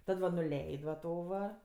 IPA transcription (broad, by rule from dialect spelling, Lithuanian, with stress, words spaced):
ˈtɐt ʋɐ nʊˈlʲɛɪtʲ ʋɐ ˈtoː ʋɐ